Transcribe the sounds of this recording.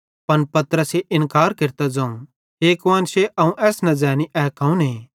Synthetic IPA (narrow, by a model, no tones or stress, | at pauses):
pɐnpɐt̪ɾəseʔɪ̃nkaːɾkɪɾt̪ad͡zãːũ | ɦeːkʋaːnseʔɐũʔɛːsnɐd͡zɛːniʔɛːkɐ̃ːũnɦeː